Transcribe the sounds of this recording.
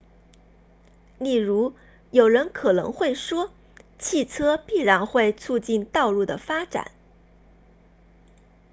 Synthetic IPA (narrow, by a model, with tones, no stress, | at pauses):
li˥˩ɻu˧˥ | jo˨˩ʊɻə˧˥nkʰɤ˨˩nɤ̰˧˥ŋxwe˥˩ɪʂwɔ˥ | t͡ɕʰi˥˩t͡sʰɤ˥pi˥˩ɻa˧˥nxwe˥˧ɪt͡sʰu˥˧t͡ɕi˥˧nt̪ɑ˥˧ʊlu˥˩d̪ə˩fa˥ʈ͡ʂa̰˨˩˦n